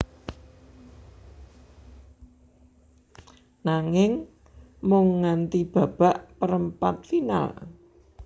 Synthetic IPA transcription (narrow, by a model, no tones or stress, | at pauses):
naŋɪŋ | mʊŋːant̪ib̥ä̤b̥a̤ʔpəɾəmpa̰t̪̚fina̰l